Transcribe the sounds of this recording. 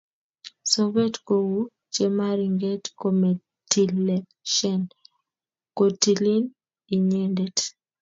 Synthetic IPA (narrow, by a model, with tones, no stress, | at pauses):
so˦bɛ˦tko˨wu˦ | t͡ʃe˦ma˦ɾi˨ŋɡɛ˦tko˨mɛ˨ | ti˨le | ʃɛ˨n | ko˨ti˨li˦n | i˨ɲɛ˦ndɛ˨t